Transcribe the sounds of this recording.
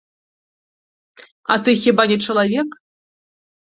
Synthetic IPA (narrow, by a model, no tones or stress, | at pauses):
ɐ̰t̪ɨxʲibanʲɛt͡ʂɐlˠavʲɛk